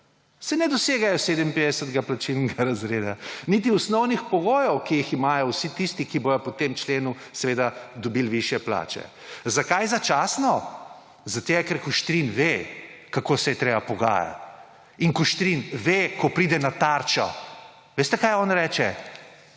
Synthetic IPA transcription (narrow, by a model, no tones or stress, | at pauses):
sɛnɛd̪ɔseːɡajɔseːd̪əmpeːd̪ɛsət̪ɡaplat͡ʃilnɡaɾazɾeːd̪anit̪̬iɔsnɔwnixpɔɡoːjɔwkijiximaːjɔwsit̪ist̪ikibojɔpɔt̪emt͡ʃleːnu | sɛʋeːd̪ad̪ɔbilʋiʃjɛpla̰t͡ʃɛ̰ | zakajzat͡ʃaːsnɔ | zat̪eɡɛkɛɾkuʃt̪ɾinʋekakosɛjɛt̪ɾeːbapɔɡa̰ja̰t̪ | iŋkɔʃt̪ɾinʋekɔpɾiːd̪ɛnat̪aɾt͡ʃɔ̰ | ʋeːst̪ɛkajɔːnɾɛːt͡ʃɛ